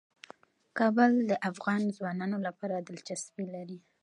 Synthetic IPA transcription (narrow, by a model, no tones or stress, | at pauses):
kɑbʊld̪əʔafɣɑnzwɑnɑnolapɑɾad̪ɪlt͡ʃasbilaɾi